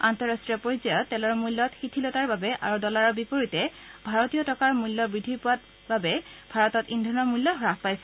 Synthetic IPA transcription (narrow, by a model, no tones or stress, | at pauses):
antɔɹastɹijɔpoɹzajɔtːɛlɔɹmulːɔtxitʰilɔtaɹbabɛʔa̰ɹudɔlaɹɔbipoɹitɛ | bʱaɹɔtijɔtɔkaɹmulːɔbɹidʱipʊat | babɛbʱaɹɔtɔtindʱɔnɔmulːɔɦɔɹakpajsɛ